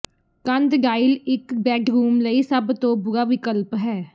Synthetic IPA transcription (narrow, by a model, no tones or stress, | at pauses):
kənd̪ɖaːɪlɪkbɛːʈɾuːmləisəbt̪õːbʊɡaːʋɪkəlpɦɛː